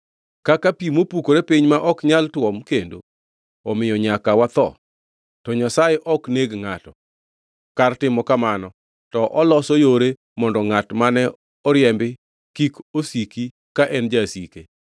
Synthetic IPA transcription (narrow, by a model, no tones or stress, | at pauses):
kakapimopukoɾepiɲmaʔɔkɲaltwɔmkendo̰ | ɔmɪjɔɲakawat̪ɔ̰ | tɔɲasajɛʔɔkneɡŋatɔ | kartɪmɔkamanɔ | tɔʔɔlɔsɔjoɾe | mɔndɔŋatmanɛ | ɔɾjɛmbɪ | kikosiki | kaʔɛnd͡ʒasike